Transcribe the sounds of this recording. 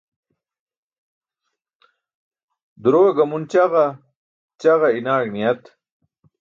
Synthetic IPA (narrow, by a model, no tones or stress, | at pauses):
d̪uɾoːɐɡɐmunt͡ɕɐʁɐ | t͡ɕɐʁɐinaːɡnijɐt̪